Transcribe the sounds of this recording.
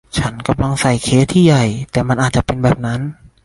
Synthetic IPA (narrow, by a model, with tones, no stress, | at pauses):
t͡ɕʰa˦˥nka˧˩mla˧ŋsa˨˩jkʰeː˦˥t̪ʰiː˥˩ja˨˩jt̪ɛː˨˩ma˧nʔaː˨˩t͡ɕa˨˩pe˧nbɛː˨˩p̚na˦˥n